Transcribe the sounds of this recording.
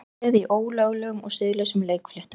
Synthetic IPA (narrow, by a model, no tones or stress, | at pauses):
ɛðiʔoːwlœɣlɛːɣʏmɔ̰ɣsɪðlœsʏmleːjkflɛht̪